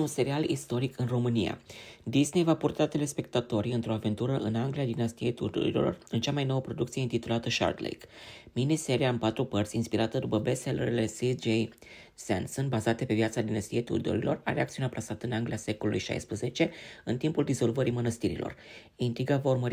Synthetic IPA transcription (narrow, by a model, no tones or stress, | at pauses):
unse̞ɾialist̪o̞ɾikʰɨnro̞mɨnija̰d̪iznejvapurt̪at̪e̞le̞spe̞k̚t̪at̪o̞ɾiɨnt̪ɾo̞ave̞nt̪uɾəʔɨnaŋɡliad̪inast̪iejt̪ṵd̪o̰ɾḭlo̰rɨnt͡ʃamajno̞wəpɾo̞d̪ukt̪sijeɨnt̪it̪ulat̪əʃa̰rd̪lḛjkminise̞ɾiaɨnpat̪ɾupərt̪sʲinspiɾat̪əd̪upəbeselɾile̞sid͡ʒej | sḛnsɨnbazat̪e̞pe̞vijat̪sad̪inast̪iejt̪ṵrd̪o̰ɾḭlo̞ra̰ɾeakt̪siunaplasat̪əɨnaŋɡliase̞kolulṵjʃa̰jspɾəze̞t͡ʃe̞ɨnt̪impuld̪izo̞lvəɾimənəst̪iɾḭlʔo̰r | int̪ɾiɡavaurməɾi